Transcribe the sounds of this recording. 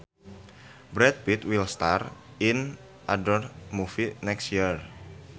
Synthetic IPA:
bɾɛt̪̚bit̪wilst̪ar | in | ʔadɔrmufinɛkstjir

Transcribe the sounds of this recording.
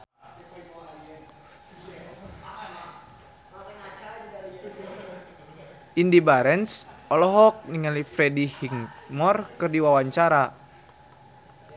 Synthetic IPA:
indibaɾɛnsɔlɔɦɔk̚niŋalifɾɛdihiŋmɔrkɨrdiwawaɲt͡ʃaɾa

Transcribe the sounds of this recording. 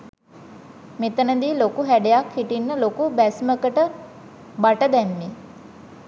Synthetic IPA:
met̪ənəd̪iːlokuɦæɖejakhiʈinːəlokubæsməkəʈə | baʈəd̪æmːi

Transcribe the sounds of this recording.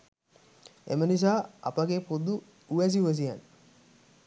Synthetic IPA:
ḛmənis̬aːɐ̰pəɡepod̪u | uʋæs̬iuʋɛs̬ia̰n

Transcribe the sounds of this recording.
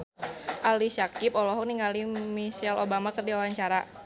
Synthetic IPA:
ʔalisakipɔlɔɦɔk̚niŋalimisɛlobamakərdiawaɲt͡ʃaɾa

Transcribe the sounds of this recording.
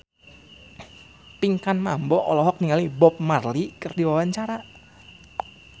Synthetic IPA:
piŋkanmambɔʔɔlɔɦɔk̚niŋalibɔp̚marlikərdiwawaɲt͡ʃaɾa

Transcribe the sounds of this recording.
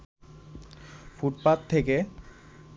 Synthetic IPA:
fuʈ̚pat̪ʰːeke

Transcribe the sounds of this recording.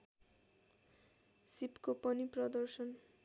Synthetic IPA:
sipkopʌniprʌd̪ʌrsʌn

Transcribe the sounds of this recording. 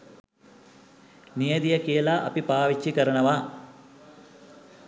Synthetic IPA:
nijɐd̪ijɐkejːlaʔɐpipaːʋit͡ʃːikɐɾɐɳɐʋa

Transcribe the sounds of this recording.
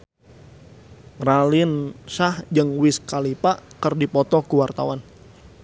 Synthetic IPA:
ralɪnsahd͡ʒɨŋwɪskalipaʔkərdipɔt̪ɔkuwart̪a̰wan

